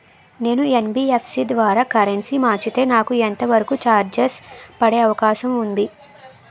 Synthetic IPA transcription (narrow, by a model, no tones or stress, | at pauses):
ne̞ːnuenbiepʰsid̪ʋaːɾaːkɐɾensimaːt͡ʃit̪e̞ːnaːkuent̪ɐʋɐɾɐkut͡ʃaːɾd͡ʒespɐɽeːɐʋɐkaːʃɐmund̪i